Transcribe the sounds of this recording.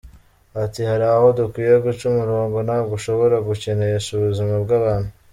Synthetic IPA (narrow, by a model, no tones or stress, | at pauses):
atihaɾaho̞dukwiːjeɡut͡ʃumuɾoːŋɡonaɡuʃo̞βo̞ɾaɡuce̞ne̞jeʃuβuzimabɡaːβaːn̥hu